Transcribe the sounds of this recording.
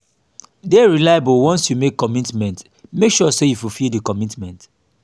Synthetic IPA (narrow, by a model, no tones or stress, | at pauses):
dɛɹilajabolwɔ̃nsjumekːɔmitmɛ̃nt | mekʃɔsejufufildikɔmitmɛ̃nt